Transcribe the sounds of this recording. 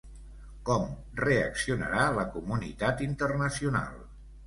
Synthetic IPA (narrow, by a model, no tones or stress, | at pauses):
kɔm | reəksiunə̰ɾaləkumunḭt̪at̪int̪ərnəsiuna̰lˠ